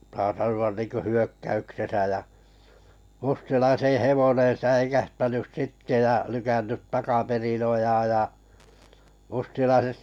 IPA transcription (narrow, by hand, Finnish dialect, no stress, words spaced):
sɑː sɑnuɑn niːŋkø hyøkːæyksesæ jæ mustilɑisẽː heʋonẽː sæikæhtænys sitːe jɑ lykænːyt tɑkɑperin ojɑːj jɑ mustilɑiset